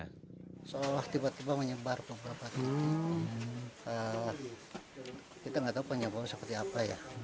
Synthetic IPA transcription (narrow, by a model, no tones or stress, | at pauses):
soalaht̪ibat̪ibaməɲəbarpəbapak̪i | ə | kit̪aŋɡat̪aupəɲabaɾusəpərt̪iapaja